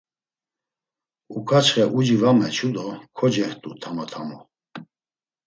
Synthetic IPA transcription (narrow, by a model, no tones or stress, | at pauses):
ukʰat͡ʃʰχɛʔud͡ʒivamɛt͡ʃʰud̪ɔkʰɔd͡ʒɛht̪ʼut̪ʰamat̪ʰamɔ